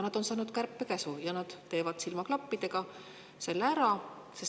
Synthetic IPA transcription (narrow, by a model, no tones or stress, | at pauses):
nɑd̪̥o̞nsɑːnud̪kærpːekæsujɑnɑd̪̥t̪ːe̞ːvɑd̪̥silmɑklɑpːid̪̥e̞ɡ̥ɑ | se̞lːeæɾɑ | ses